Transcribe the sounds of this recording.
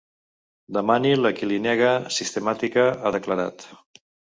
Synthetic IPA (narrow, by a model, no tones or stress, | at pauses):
d̪əmaniləkilinɛɣəsist̪əmat̪ikəaðəkləɾa̰t̪